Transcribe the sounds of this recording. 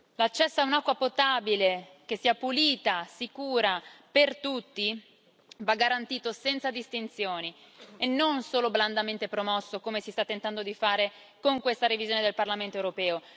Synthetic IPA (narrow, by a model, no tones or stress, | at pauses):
lat͡ʃːɛsːoaunakːwapot̪abile | k̟esːiːapuliːt̪asikuːɾapert̪ut̪ːi | vaɡːaɾant̪iːt̪osɛnt̪sad̪ist̪int̪sjoːni | enːonsoːlobland̪ament̪epɾomɔsːokomesist̪at̪ːent̪and̪od̪ifaːɾe | koŋkwest̪aɾevizjoːned̪elparlament̪oewɾopɛːo